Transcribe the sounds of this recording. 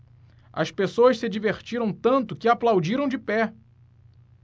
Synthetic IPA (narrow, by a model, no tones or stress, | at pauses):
ɐspesoɐʃsɪd͡ʒiveɾt͡ʃiɾɐ̃w̃t̪ɐ̃nt̪ʊkɪaplawd͡ʒiɾɐ̃w̃d͡ʒɪpɛ